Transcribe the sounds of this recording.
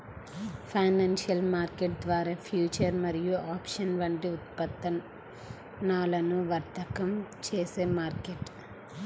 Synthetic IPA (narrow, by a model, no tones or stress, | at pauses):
pʰɐjnaːnʂjɐlmaːɾkeʈ̚d̪ʋaːɾaːpʰjuːt͡ʃɐɾmɐɾijuʔaːpʂɐnʋɐɳʈiut̪pɐt̪ːɐ | naːlɐnuʋɐɾt̪ɐkɐmt͡ʃeːseːmaːɾkeʈ